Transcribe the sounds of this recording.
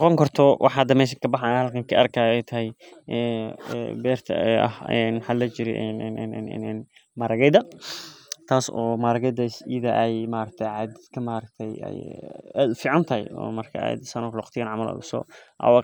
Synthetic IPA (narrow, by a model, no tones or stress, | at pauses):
nqɔŋkʰɔrt̪ʰɔwʔɑħɑd̪ɐmɛːʃ̬ɪkʰɐbɑħahɐlkʰɐŋkʰiɐrkʰaːɛjt̪ʰɐhɛjɛːɛbɛːrt̪ʰɐ̰ɛɐ̰hɛːnħalɐt͡ʃɪɾɛ̰ʔɛnɛnɛnɛnɛnɛn | mɐɾɐɣɛd̪ɐ | t̪ʰaːsɔːmaɾɐɡɛd̪ɐsiðɐʔɛjmaːɾɐk̚t̪ʰɛjʕaːd̪ɪkʰɐmaːɾɐk̚t̪ʰɛjɛ̰ja̰ːd̪ʊfiːʕɑnt̪ʰɐhɛ̰jɔ̰ːmɐrkʰɐ̰ɛ̰ːd̪sɐnɔklwɑqt̪ʰɪjaːnʕɑmɐla̰ðʊsɔ̰ʔɐ̰wɑ